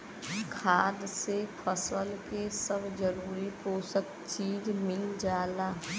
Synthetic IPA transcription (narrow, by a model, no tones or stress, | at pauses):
kʰaːd̪sepʰəsəlkesəbd͡ʒəɾuːɾipoːsək̚ | t͡ʃiːzmɪld͡ʒaːlaː